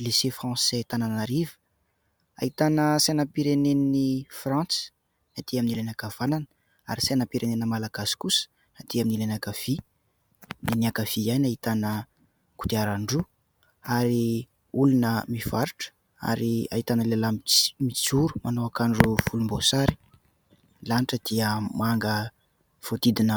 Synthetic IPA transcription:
lisefrɑ̃sɛt̪ananaɾivə̥ | a̰it̪anəsanapiɾenennifrɑ̃t͡si̥ | nat̪iaminilanakav̥anan | a̰ɾisanapiɾenenəmalaɡasi̥kusə̥ | nat̪iaminilanakav̥i | niniakav̥ijanaɦit̪anə | ku̥t̪iaɾaɳɖ͡ʐu | aɾi | ulunəmiv̥aɾiʈ͡ʂə̥ | a̰ɾia̰ɦit̪anəlelammit͡suɾu̥manowakaɳɖ͡ʐuvulumbosaɾi̥ | laniʈ͡ʂəd̪̥iəmaŋɡə | v̥ot̪id̪inə

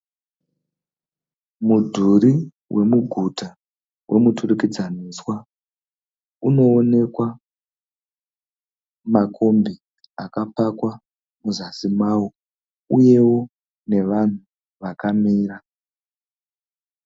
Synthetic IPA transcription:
mudʱuɾi | wʔe̞muɡʱuta | wʔe̞muturikid͡zaniswa | uno̞ːne̞kwa | makʰo̞mbi | akapakwa | muzasimwawo | uje̞wo̞ | ne̞ʋan̤u | ʋakamiːra

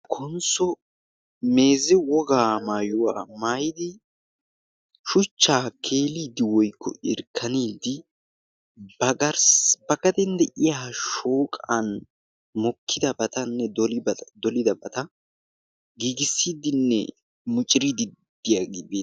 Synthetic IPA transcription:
kʰɔnsɔ | me̞ːzɪwɔɡaːmaːjʊwaːmaːjɪd̪ɪ | ʃʊt͡ʃːaːkʰe̞ːliːd̪ɪwɔjkʰːɔ̰ʔɪɾkʰːɐniːd̪ɪ | bɐɡɐɾsbɐkɐt̪ɛnd̪ɛʔɪjaːʃoːkʼan | mɔkʰːɪd̪ɐbɐt̪ɐnːɛd̪ɔld̪ɔlɪd̪ɐbɐt̪ɐ | ɡiːɡɪsːiːd̪ɪnːɛ̰ | mʊt͡ʃʼɪɾid̪ɪd̪ːɪjaɡɪbeː

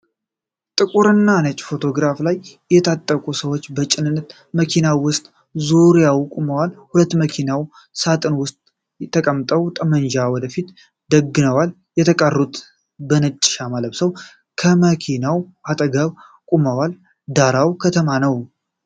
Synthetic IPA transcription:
t̪ʼɨkʼuɾɨnːanət͡ʃʼfo̞t̪ʰo̞ɡɾaflaj | jɛt̪ʰat̪ʼːəkʼusəwot͡ʃːbət͡ʃʼɪnɨnːət̪ | məkʰinawwʊst̪ʼ | zuɾijawkʼuməwalhulət̪ːməkʰinaw | sat̪ʼɨnwʊst̪ʼ | t̪ːʰəkʼəmt̪ʼəwt̪ʼəmənd͡ʒawɔd̪əfit̪ | d̪əɡːɨnəwal | jɛt̪ʰəkʼərːut̪ʰ | bənət͡ʃʼːɪ̥ʃamaləβsəw | kʰəməkʰinawʔat̪ʼəɡəβ | kʼuməwal | d̪aɾawkʰət̪ʰəmanəw

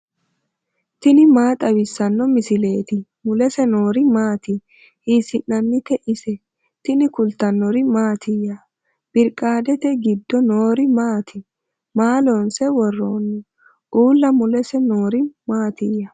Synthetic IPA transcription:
t̪ɪnɪmaːt̪ʼɐwɪsːɐnːɔmɪsɪle̞ːt̪ɪ | mʊlɛsɛno̞ːɾɪmaːt̪ɪ | hiːsɪnːɐnːɪt̪ɛʔɪsɛ | t̪ɪnɪkʊlt̪ɐnːɔɾɪmaːt̪ʰɪjɐ | b̥ɪɾkʼːaːd̪ɛt̪ɛɡɪd̪ːɔnoːɾɪmaːt̪ʰɪ | maːlonsɛwɔrːoːnːɛ | ʔuːlːɐmʊlɛsɛno̞ːɾɪmaːt̪ɪjɐ

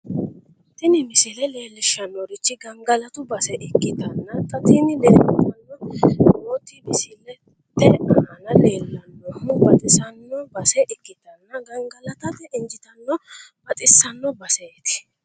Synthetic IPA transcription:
t̪ɪnɪmɪsɪlɛle̞ːlːɪʃɐnːɔɾɪt͡ʃːɪɡɐŋɡɐlɐt̪ʊbɐsɛʔɪkʼːɪd̪ɐnːɐt̪ʼɐt̪ɪnɪleːtt̪ɐnːɔmoːt̪ːɪmɪsɪlɛ | tːɛɐɐnɐleːlːɐnːɔbɐt̪ʼɪsɐnːɔbɐsɛʔɪkʼːɪd̪ɐnːɐɡɐŋɡɐlɐt̪ɐt̪ɛʔɪnd͡ʒɪt̪ɐnːɔ | bɐt̪ʼɪsɐnːɔbɐseːt̪ɪ̥

